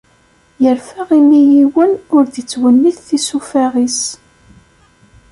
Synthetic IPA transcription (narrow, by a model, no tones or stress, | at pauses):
jəɾfæʁilːijiwənʊɾðət͡sːwənːiθθisufæʁis